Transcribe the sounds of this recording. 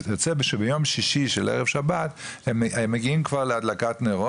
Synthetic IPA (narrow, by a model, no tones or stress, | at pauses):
jot͡sebeʃebejo̞mʃiʃiʃelʔḛʁevʃabat̪ememːeɡiimkvaʁlead̪lakat̪neʁo